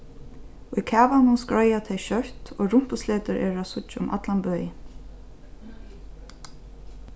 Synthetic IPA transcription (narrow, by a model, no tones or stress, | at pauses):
ʊjkʰɛːʋanʊnskɹɔjat̪ʰejʃœht̪oːɹʊm̥pʊsleːt̪əɾʔɛ̰ːɹasʊt͡ʃʊmʔa̰t̪lanbœːjɪ